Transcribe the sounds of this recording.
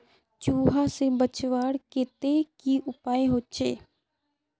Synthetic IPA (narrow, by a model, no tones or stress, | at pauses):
t͡ʃuːɦaːsɪ̃ːbət͡ʃʋaːɽkɪt̪eːkiʔʊpaːẽɦoːt͡ʃeː